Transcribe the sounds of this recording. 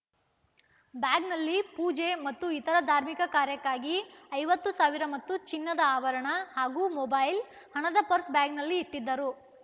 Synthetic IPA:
bjaːɡnɐlːipuːd͡ʒe̞mɐt̪ːuit̪ɐɾɐd̪ʱaːɾmikɐkaːɾjɐkːaːɡiɐjʋɐt̪ːusaːʋiɾɐmɐt̪ːut͡ʃinːɐd̪ɐaːʋɐɾɐɳɐhaːɡuːmɔbɐjl | hɐɳɐd̪ɐpɐɾsbjaːɡnɐlːiːʈːid̪ːɐɾu

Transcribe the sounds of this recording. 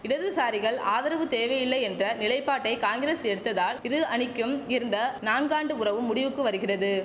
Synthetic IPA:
ɪɽɐðɯsaːɾɪɣɐɭaːðɐɾɐʋɯt̪eːʋɐjɪlːɐɪɛndrɐnɪlɐɪpːaːʈːɐɪkaːŋɡɾeːsɛɽɯt̪ːɐðaːlɪɾɯɐɳɪkːɯmɪɾɯnd̪ɐnaːnɡaːɳɖɯʊrɐʋɯmːʊɽɪʋɯkːɯʋɐɾɯɣɪrɐðɯ

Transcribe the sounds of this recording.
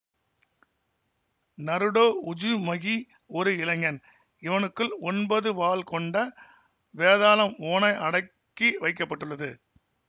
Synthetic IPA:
nɐɾɯɽoːʊd͡ʒɯmɐɣi | ɔɾɯɪlɐŋɡɐn | ɪʋɐnɯkːɯlɔnbɐðɯʋaːlkɔɳɖɐ | ʋeːðaːlɐmoːnɐɪʔɐɽɐ | kːiʋɐɪk̬ːɐpːɐʈːɯɭːɐðɯ

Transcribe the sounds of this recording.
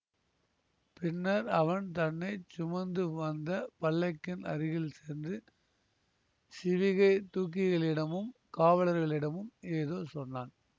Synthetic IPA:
pɪnːɐɾɐʋɐnt̪ɐnːɐɪt͡ʃʊmɐnd̪ɯʋɐnd̪ɐpɐɭːɐɪkːɪnɐ̰ɾɪɣɪlseːɾndɯ | sɪʋɪɣɐɪt̪uːk̬ːɪɣɐɭɪɽɐmɯmkaːʋɐɭɐɾɣɐɭɪɽɐmɯmeːðoːsɔnːaːn

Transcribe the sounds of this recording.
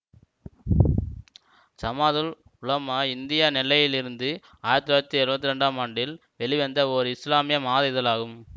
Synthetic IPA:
sɐmaːðɯl | ʊlɐmaɪnd̪ɪjanɪlːɐjɪlɪɾɯnd̪ɯ | aːjɾɐt̪ːɯɾaːɾɐt̪ːiɛɾɯʋɐt̪ːɯɾɛɳɖaːmɐɳɖɪl | ʋɛɭɪʋɐnd̪ɐɔɾɯɪslaːmɪjɐmaːðɐjðɐlaːɣɯm

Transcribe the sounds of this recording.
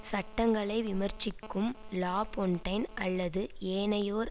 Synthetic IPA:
sɐʈːɐŋɡɐɭɐɪʋɪmɐɾt͡ʃːɪkːɯmlaːpɔɳʈɐɪnʔɐlːɐðɯeːnɐjoːɾ

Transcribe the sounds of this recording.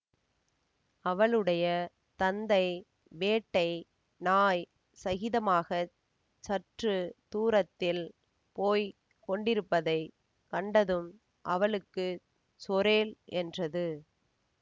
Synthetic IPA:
ɐʋɐɭɯɽɐjɐ | t̪ɐnd̪ɐɪ | ʋeːʈːɐɪ | naːj | sɐɣɪðɐmaːɣɐ | t͡ʃɐʈrɯt̪uːɾɐt̪ːɪl | poːj | kɔɳɖɪɾɯpːɐðɐɪ | kɐɳɖɐðɯm | ʔɐʋɐɭɯkːɯ | sɔɾeːlɛndrɐðɯ

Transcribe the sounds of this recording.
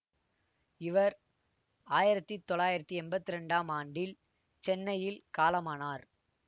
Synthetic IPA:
ɪʋɐɾ | aːjɪɾɐt̪ːit̪ːɔɭaːjɪɾɐt̪ːɯɛnbɐt̪ːɪɾɛɳɖaːmaːɳɖɪl | t͡ʃɛnːɐjɪlkaːlɐmaːnaːɾ

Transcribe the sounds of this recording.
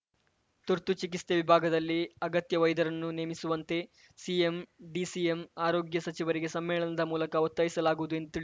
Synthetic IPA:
t̪uɾt̪ut͡ʃik̬ist̪eʋibʱaːɡɐd̪ɐlːiɐɡɐt̪jɐʋɐjd̪ɐɾɐnːuneːmisuʋɐnt̪e̞ | siemɖisiemaːɾoːɡjɐsɐt͡ʃiʋɐɾiɡe̞sɐmːɛːɭɐnɐd̪ɐmuːlɐkɐot̪ːɐjisɐlaːɡuʋud̪ue̞nd̪ut̪iɭi

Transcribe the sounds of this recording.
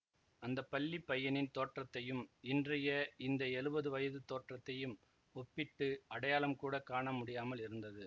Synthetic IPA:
ɐnd̪ɐpɐɭːipːɐjːɐnɪnt̪oːʈrɐt̪ːɐjɯmɪndrɐjɐɪnd̪ɐɛɻɯbɐðɯʋɐjɐðɯt̪oːʈrɐt̪ːɐjɯm | ɔpːɪʈːɯɐɽɐjaːlɐmkuːɽɐkaːɳɐmʊɽɪjaːmɐlɪɾɯnd̪ɐðɯ

